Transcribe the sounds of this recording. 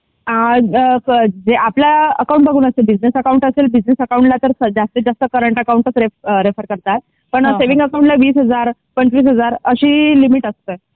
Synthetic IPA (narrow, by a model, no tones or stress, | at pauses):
ɦã | d͡zeʔaplaəkaũɳʈ̚bəɡʱuːnəst̪elbid͡znesəkaũɳʈəselbid͡znesəkaũɳʈlat̪əɾsəd͡zast̪əd͡zast̪əkəɾəɳʈəkauɳʈət͡sɾeɾefəɾkəɾt̪at̪̚ | pəɳseʋĩŋɡəkaũɳʈlaʋiːsɦəd͡zaɾpəɳt͡ɕʋiːs̬ɦəd͡zaɾəɕiːlimiʈəst̪ə